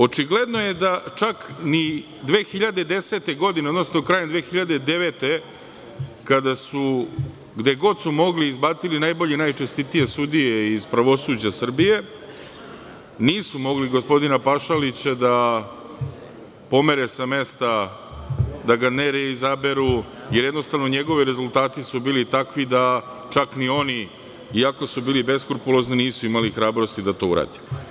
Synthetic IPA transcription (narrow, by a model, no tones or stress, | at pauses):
o̞t͡ʃiɡle̞d̪nojed̪at͡ʃakni | d̪ʋeːxiʎad̪ed̪e̞set̪e̞ɡo̞d̪ine̞od̪nosnokɾaːjend̪ʋe̞ːxiʎad̪ed̪e̞ʋet̪e̞ | kad̪asu | ɡd̪e̞ɡo̞d̪sumo̞ɡliːzbaːt̪silinajbo̞ʎenajt͡ʃest̪it̪ije̞sud̪ijeiz̥pɾaʋo̞suːd͡ʑasr̩bije̞ | niːsumo̞ɡliɡo̞spo̞d̪inapaʃalit͡ɕad̪a | po̞meɾesame̞st̪a | d̪aɡaneɾeizabe̞ɾu | je̞ɾjed̪no̞st̪aʋno̞ɲe̞ɡo̞ʋiɾe̞zulˠt̪aːt̪isubiːlit̪akʋid̪a | t͡ʃaknio̞ni | iako̞subiːlibe̞skuɾpulo̞zniniːsuimalixɾaːbɾo̞st̪id̪at̪o̞ːṵɾa̰ːd̪e̥